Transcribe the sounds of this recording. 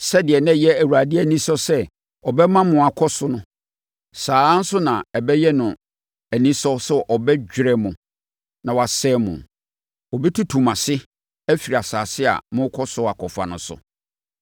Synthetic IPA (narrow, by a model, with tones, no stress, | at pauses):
sɛ˦dɪ˨ɛ˨nɛ̃˦jɛ˦æ˨wu˨a˨dɪ˦æ˨nĩ˦sɔ˦sɛ˦ | ɔ˨bɛ˦mã˦mʊ̃˨a˨kʰɔ˦sʊ˦nʊ̃˦ | saː˨˦n̩˦sʊ˦nã˨ɛ˨bɛ˦jɛ˦nʊ̃˨ | æ˨nĩ˦sɔ˦sɛ˦ʔɔ˨bɛ˦d͡ʑᶣɾɛ˦mʊ̃˨ | nã˨wa˨sɛ˦mʊ̰̃˨ | ɔ˨bi˦tʰu˦tʰu˨mã˨sɪ˦ | æ˦fi˨ɾi˨a˨saː˨sɪ˦a̰˨mʊ̃˦kʰɔ˦sʊ˦a˨kʰɔ˨fa̰˨nʊ̃˨˦sʊ̰˨